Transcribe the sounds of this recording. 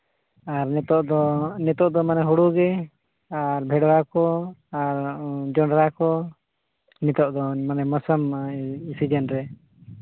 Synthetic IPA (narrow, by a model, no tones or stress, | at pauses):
aɾnɛt̪ɔʔd̪ɔnɛt̪ɔʔd̪ɔmanɛɦuɽuɡɛ | aɾbʱɛɽɾakɔaɾd͡ʒɔɳɾakɔ | nɛt̪ɔʔd̪ɔmanɛməsəmisid͡ʒɛnɾɛ